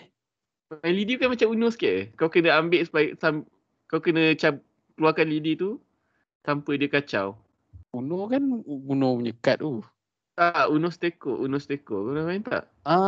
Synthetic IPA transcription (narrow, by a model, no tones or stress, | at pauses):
alidiukanmat͡ʃamunoskaʔkawkənə̃ambɪʔsu̥pajsam | kawkənə̃t͡ʃa | kəluakanlidit̪u | sampədiəkat͡ʃaw | unɔkanunɔəɲəkat̪̚u | t̪aʔunost̪ekoʔunost̪ekoʔunoaint̪a̰ʔ | a